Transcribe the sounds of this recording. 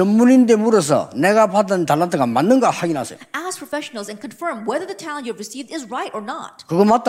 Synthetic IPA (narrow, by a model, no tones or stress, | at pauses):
ʌmːunindemuɾʌs̬ʰʌ̰neɡapadʌntalːatʰɯɡamanːɯnɡahaɡina̰sʰʌ̰joæspʰɹ̥ɔfɛʃnl̩ˠzɨ̃nkʰə̃nfɜ̃˞mwɛðə˞ðətʰaʊ̃njuævɹɨsivdɪzɹaɪɾə˞na̰t̚kɯɡʌmat͈a